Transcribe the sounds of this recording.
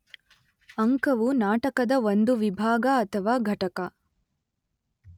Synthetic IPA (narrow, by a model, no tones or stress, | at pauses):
ɐŋkɐʋunaːʈɐkɐd̪ɐʋond̪uʋibʱaːɡɐːt̪ʰɐʋaːɡʱɐʈɐkɐ